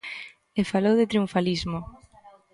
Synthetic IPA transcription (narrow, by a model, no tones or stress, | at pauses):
efalowðɪt̪ɾiuɱfalizmo